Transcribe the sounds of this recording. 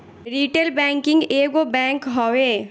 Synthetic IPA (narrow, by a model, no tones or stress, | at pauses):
ɾiːʈeːlbɛ̃ːŋkɪ̃ŋɡeːɡobɛ̃ːŋkɦoːeː